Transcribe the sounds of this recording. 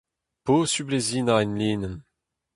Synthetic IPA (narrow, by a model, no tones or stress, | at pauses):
posyblezinaɛnliːnən